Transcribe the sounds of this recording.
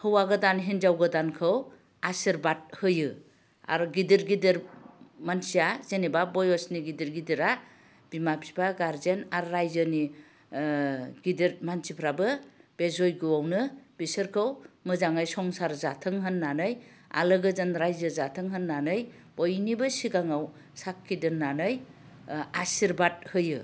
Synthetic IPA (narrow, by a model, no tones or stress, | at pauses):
hɯwaɡɯdanɦind͡ʒawɡɯdankʰɯw | asiɾbat̚hɯjɯ | a̰ɾɡidiɾɡidiɾmansijazenibabɔjɔsniɡidiɾɡidiɾa | b̥imapʰibʰaɡaɾzenaɾːajzɯni | ɡidiɾmansʰipʰɾabɯb̥ezojɡɯwawnɯbisɯɾkʰɯwmɯzaŋajsɔŋsaɾzatʰɯŋɦɯnːanɯja̰lɯɡɯzɯnɾajzɯzatʰɯŋɦɯnːanɯj | bɔjnibɯsiɡaŋaw | sakʰːidɯnːanɯj | asiɾbad̚hɯjɯ